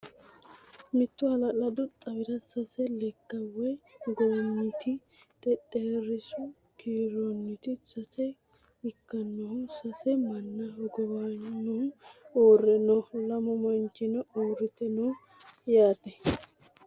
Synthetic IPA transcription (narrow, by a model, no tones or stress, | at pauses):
mɪt̪ːʊhɐlɐlɐd̪ʊt̪ʼɐbɪɾɐsɐsɛlɛkːɐwɛɡonːɪt̪ʰɪ | t̪ʼɛt̪ʼːeːɾɪsʊ | kiːɾonːɪt̪ɪsɐsɛ | ɪkːɐnːɔhʊsɐsɛmɐnːɐɡɔbaːɔʊoːrːɛnɔlɐmɔmɐnt͡ʃɪnɔoːrːɪt̪ɛno | jaːt̪ɛ